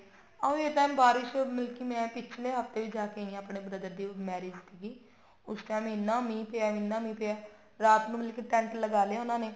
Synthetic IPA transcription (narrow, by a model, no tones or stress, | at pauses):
aeːʈaːmbaːɾɪʃmɪlkiːmɛ̃ːpɪt͡ʃʰleːɦəft̪eːʋiːd͡ʒaːkeĩaːpɳeːbɾəd̪əɾd̪iːmɛːɾeːd͡ʒt̪iɡiː | ʊsʈaːmɪnːãːmĩːpeːaːmɪnːãːmĩːpeaː | ɾaːt̪nũːmɪlkiʈɛ̃ːɳʈlːəɡaːleaːʊnãːneː